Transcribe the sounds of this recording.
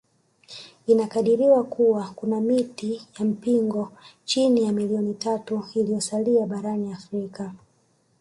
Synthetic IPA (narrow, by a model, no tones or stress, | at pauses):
inakaɗiɾiwakuwakunamitijam̩piŋɡɔt͡ʃinijamiliɔnitatuilijɔsaliaɓaɾaniafɾika